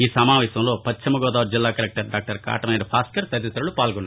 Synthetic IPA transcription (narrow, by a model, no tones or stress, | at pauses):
iːsɐmaːʋɛːsɐmlo̞ːpɐt͡ʃʰːimɐɡɔːd̪aːʋuɾd͡ʒilːaːkɐɾɛk̚ʈɐɾɖaːk̚ʈɐɾka̰ːʈɐmɐnɐeɖipʰaːskɐɾt̪ɐd̪it̪ɾɐlupaːlɡɔnː